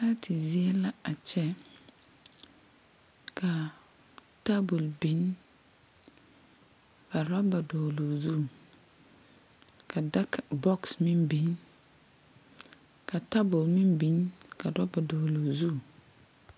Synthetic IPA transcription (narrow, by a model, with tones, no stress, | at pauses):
a˦tʰi˨zi˦e˦la˦a˨t͡ʃɛ˦ | ka˨ | ta˦bu˨lbi˨˦n | ka˨ɾɔ˦ba˨do˨lo˨zu˦˨ | kʰa˨da˦kbɔ˦ksmi˦mbi˨˦n | ka˨ta˦bu˨lmi˦mbi˨nka˨ɾɔ˦ba˨do˨lo˨zu˦˨